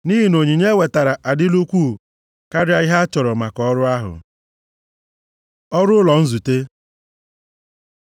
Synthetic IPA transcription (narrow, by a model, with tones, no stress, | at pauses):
ni˦ɦi˨no˨ɲi˨ɲe˦we˨ta˨ɾa˨ʔa˨dɪ˦lu˦kʷuː˦ | ka˦ɾɪ˦a˦ɪ˦ɦa˦t͡ʃɔ˨ɾɔ˨ma˨kɔ˨ɔ˦ɾʊ˦a˦ɦʊ̰˨ | ɔ˦ɾʊ˦lɔ˨n̩˦zu˨te˦